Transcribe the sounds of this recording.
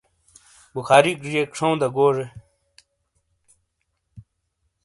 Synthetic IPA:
buxʰaːɾikɾijekʂʰow̃d̪ɐɡoːʐe

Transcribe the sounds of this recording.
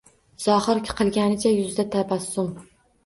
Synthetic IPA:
z̥ɒhɨɾkʲʰɪ̥qʰɨlˠɡʲanɪt͡ʃʰajʊzd̪at̪ʰabasːʊm

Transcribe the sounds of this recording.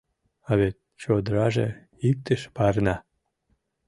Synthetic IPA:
ɑβet̪̚ | t͡ɕod̪ɾɑʒḛ | ik̚t̪əʃpɑrnɑ

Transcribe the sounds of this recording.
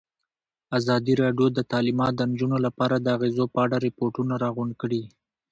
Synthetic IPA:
azɑd̪iɾɑɖjod̪ət̪ɑlimɑt̪̚d̪ənd͡ʒunolapɑɾad̪əaɣezopəaɽaɾɪpoɾʈunaɾɑɣʊɳɖkəɽi

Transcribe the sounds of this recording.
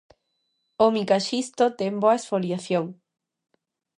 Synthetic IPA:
omikaʃist̪ot̪emboɐesfoljaθjoŋ

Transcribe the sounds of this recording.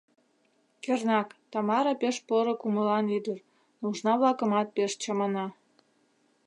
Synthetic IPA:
kernɑkt̪ɑmɑɾɑpeʃpoɾŏkuməlɑnyd̪ər | nuʒnɑβlɑkəmɑt̪̚peʃt͡ɕɑmɑnɑ

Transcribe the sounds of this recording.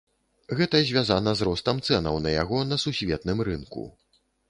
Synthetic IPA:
ɣɛt̪ɐzʲvʲazanɐzrɔst̪ɐmt̪sɛnɐwnɐja̰ɣɔnɐsusʲvʲɛt̪nɨmɾɨnkṵ

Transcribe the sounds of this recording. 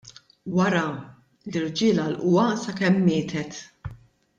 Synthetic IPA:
wɐɾɐ | lɪɾd͡ʒɪːlɐlʔʊwɐsɐkɛmːɪːt̪ʰɛt̪

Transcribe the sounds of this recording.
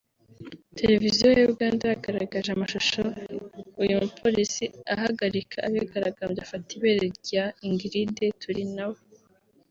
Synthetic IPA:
tʰe̞ɾe̞vizijojuuβɡaːndaaɡaɾa̰ɡaʒamaʃoʃoujumupʰo̞ɾisiaɦaɡaɾikʰaʔaβaɡaɾaɡambjafatiβeɾeɾɟaiŋɡiɾidetʰuɾinawo

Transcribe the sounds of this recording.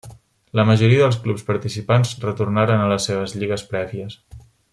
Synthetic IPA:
ləməʒuɾiəðəlˠsklupspəɾt̪isipanzrət̪urnaɾənələsːeβ̞əzʎiɣəspɾɛβiəs

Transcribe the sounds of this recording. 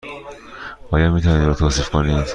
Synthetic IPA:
b̥ɒːjɒd̪mit̪ʰɒniɾot̪ʰoːsiːfkʰoniːd̪

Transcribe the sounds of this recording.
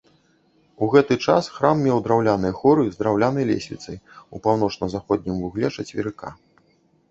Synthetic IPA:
uɣɛt̪ɨt͡ʂa̰sxɾamːʲɛwd̪ɾawlʲanɨjɐxɔɾɨzd̪ɾawlʲanɐjlʲɛ̰sʲlʲḭt̪sɐjupawnɔt͡ʂnɐzaxɔd̪̚ʲnʲimvuɣlʲɛʂɐt͡sʲvʲḭɾɨka̰

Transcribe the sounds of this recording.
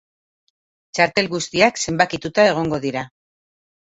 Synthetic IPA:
t͡ʃaɾt̪e̞lɣust̪iakse̞mbakit̪ut̪ae̞ɣ̞o̞ŋɡo̞ðiɾa

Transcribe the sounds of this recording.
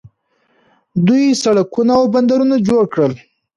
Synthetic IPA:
d̪ujsaɽakunaːwband̪aɾunad͡ʒoɽkɽəl

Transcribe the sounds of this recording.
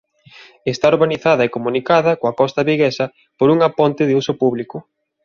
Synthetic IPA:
est̪aoɾβaniθaðɐekomunikaðɐkoɐkɔst̪ɐβiɣesɐ | poɾuŋapont̪ɪðeusʊpuβlikʊ

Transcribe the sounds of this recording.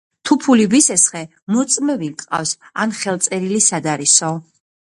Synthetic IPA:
t̪ʰupʰulivisɛsχɛ | mɔt̪sʼmɛvikʼa̰fsanχɛlˠt̪sʼɛɾilisad̪aɾisɔ

